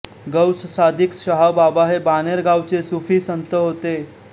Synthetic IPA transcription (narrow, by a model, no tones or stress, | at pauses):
ɡəwssad̪ʱikɕəɦababaɦebaneɾɡʱawt͡sesufiːsənt̪əɦot̪e